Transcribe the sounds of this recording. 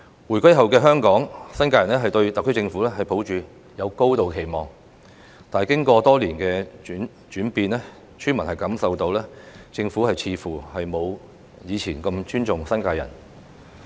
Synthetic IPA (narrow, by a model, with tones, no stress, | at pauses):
wu˨˩jkʷɐ˥jɦɐ˨wkɛː˧ɦœː˥ŋkɔː˨˥ŋsɐ˥nkaː˧jɐ˨˩nɛː˥ɦɐ˨jt̪ɵ˧ɥt̪ɐ˨kʰːt͡sɪ˧ŋfuː˨˥lɛː˥hɐ˨˩jpʰo˨˥wt͡ʃyː˨ | jɐ˨˧wko˥wt̪o˨wkʰe˨˩jmɔː˨˩ŋ | t̪aː˨kɪ˥ŋkʷɔː˧t̪ɔː˥liː˨˩nkɛː˧˨˥n | t͡ʃyː˨˥npiː˧nɛː˥ | t͡ʃʰyː˥nmɐ˨˩nhɐ˨jkɐ˨˥msɐ˨wt̪o˧wlɛː˥t͡sɪ˧ŋfuː˨˥hɐ˨jt͡sʰiː˨˧fuː˨˩hɐ˨jmo˨˧w | jiː˨˧t͡sʰiː˨˩nkɐ˧mt͡ʃyː˥nt͡ʃʊ˨ŋsɐ˥nkaː˧jɐ̰˨˩n